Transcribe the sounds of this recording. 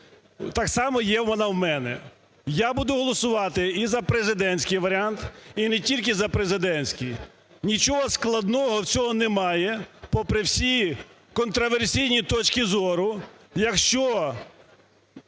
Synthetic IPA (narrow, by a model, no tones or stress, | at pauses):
t̪ɑksɑmɔjɛwmɐnɑwmɛnɛ̰ | jabud̪ʊɦɔlˠɔsʊʋɑt̪ɪizɐpɾezɪd̪ɛnʲsʲkɪjʋɐɾʲɪant̪inɛtʲilʲk̬ɪzɐpɾezɪd̪ɛnʲsʲkʲɪj | nʲit͡ʃɔɦɔsklˠɐd̪nɔɦɔwt͡sʲɔɦɔnɛmɑjɛpɔpɾɪwsʲi | kɔnt̪ɾɔʋersʲijnʲit̪ɔt͡ʃkʲɪzɔɾʊjɐkʃt͡ʃɔ